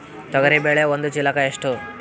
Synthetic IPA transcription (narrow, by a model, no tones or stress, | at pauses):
t̪ɐɡəɾibeɭeʋond̪ut͡ʃilakaeʂʈu